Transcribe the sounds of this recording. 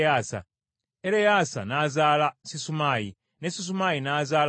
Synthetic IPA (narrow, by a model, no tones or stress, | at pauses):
asa̰ | eɾejasa̰nazalasisumaːji | nesis̬umajinazal